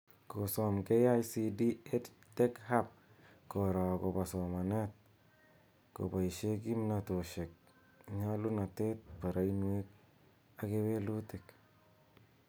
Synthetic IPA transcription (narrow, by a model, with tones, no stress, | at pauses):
ko˨sɔmke˦ja˦jsidi˦e˦t | te˦khap̚ | ko˨ɾa˨ko˨pa˨sɔ˨ma˨net̚ | ko̰˨ba˨i˨ʃe˦ki˦mnato˨ʃe˨k̚ | ɲa˦lu˦na˨tet̪̚pa˨ɾa˨i˦nwe˦k̚ | a˦ke˦we˦lu˦te˨k